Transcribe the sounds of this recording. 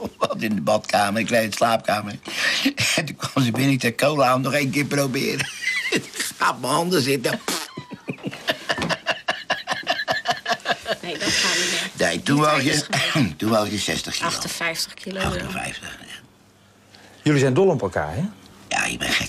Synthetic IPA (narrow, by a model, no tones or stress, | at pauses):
ʋɔtɪndəbɔtkaːmərɪkrejɪnslaːp̚kaːmər | ɛntunkʋamzəbɪnitəkowlamnɔχejnkɪːprowbɪ̰ːɾə | xaːp̚məɔndəsɪtap | nejtunʋɔjətunʋaljəsɛ̰stəxkifəfɛjftəkʰiloɑ̰təfɛ̰jftəχja | jølizɛjndolˠəɔpəlˠka̰ːɹɛja̰j̰ɪ̰bɛ̰nχɛ̰